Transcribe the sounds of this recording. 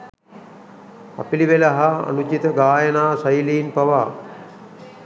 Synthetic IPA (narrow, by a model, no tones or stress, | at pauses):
a̰piliʋelaɦaa̰nut͡ʃit̪əɡaːjənaːsɐjiliːnpaʋaː